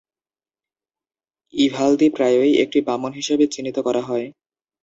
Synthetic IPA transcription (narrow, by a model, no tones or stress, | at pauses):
ibʱald̪ipɾajojḛk̚ʈipamonɦiʃebet͡ɕinːit̪okɔɾaɦɔe